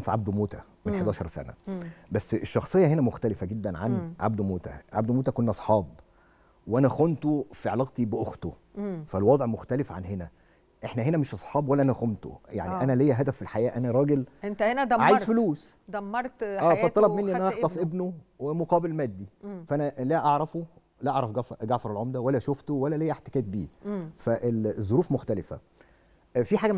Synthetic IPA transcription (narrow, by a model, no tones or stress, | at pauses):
fiʕab̚d̪moːt̪æ | mennħed̪ɑːʃɑɾˤsæ̰næ̰bæsːʔeʃːɑxsˤejːɑɦenæmoxt̪ælefæɡed̪ːænʕa̰nʕa̰b̚d̪moːt̪æ̰ʕa̰b̚d̪moːt̪ækonːʔɑsˤħɑːb | weʔænæxont̪ofiʕelɑɣt̪ibeʔoxt̪ofælwɑd̪ˤʕmoxt̪ælefʕanɦenæ | ʔeħnæɦenæmeʃʔɑsˤħɑːbwælːʔænæxomt̪o̰ja̰ʕniʔænælejːæɦæd̪æfːilħajæːʔænæɾˤɑːɡelent̪henæd̪ʕaːjezfluːs | d̪æmːɑɾˤt̪ːæːæt̪ːˤɑlɑbmenːiʔenʔæʔɑxt̪ˤɑfʔebnowemoqɑːbelmæd̪ːifæʔænælæʔɑʕɾˤɑfo | læʔɑʕɾˤɑfɡɑfɡaʕfɑɾˤelʕomd̪æwælːæʃoft̪owælːælejːæħt̪e̥kæːb̪̚biːfæʔelzˤːoɾuːfmoxt̪ælefæ̰ | fiħaːɡæ